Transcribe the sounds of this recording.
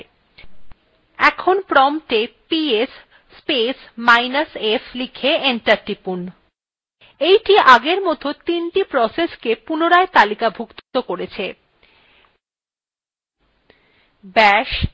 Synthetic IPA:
ɛkʰonpɾɔmʈepiesː | pesmajnasefʰlikʰeeɳʈaɾʈipun | ejʈiʔaɡeɾmɔt̪ot̪inʈipɾɔseskepunoɾaet̪alikabʱukt̪t̪okoɾet͡ɕʰe | bɛʃ

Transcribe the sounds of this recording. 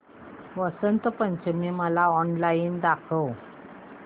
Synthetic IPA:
ʋəsənt̪əpəɲt͡ɕəmiməlaɔnlaind̪akʰəw

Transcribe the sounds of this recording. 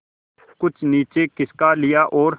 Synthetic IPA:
kʊt͡ʃʰniːt͡ʃeːkɪskalɪjaːʔɔːɾ

